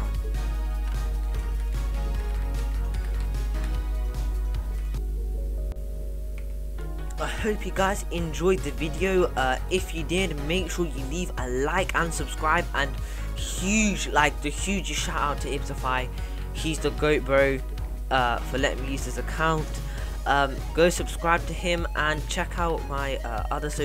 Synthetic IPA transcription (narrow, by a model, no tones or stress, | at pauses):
aɪhəʊpjɨɡaɪzɪ̃nd͡ʒɔɪd̪̚ðəvɪdiəʊʌɪfjədɪdmeɪkʃɔːjəliːvəlaɪkʰə̃nsəb̥skɹaɪbə̃n | hjʉd͡ʒlaɪk̚ðɨhjʉːd͡ʒəʃataʊtʰəɪpsəfaɪ | hizðəɡəʊt̚b̥ɹəʊ | ʌfəlɛ̰ʔɪ̰̃ŋmijʉːz̥ðɪzəkʰãʊ̃nt | ʔʌ̃ | ɡ̥oʊsəb̥skɹaɪb̚tʰɨɪ̃mʔə̃nt͡ʃʰɛkʰaʊt̚maɪʌ̰ʔʌðəsə